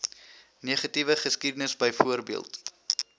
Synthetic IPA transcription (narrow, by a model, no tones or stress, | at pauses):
niəχɐtivəχəskidənəsbəjfuərbiəlˠt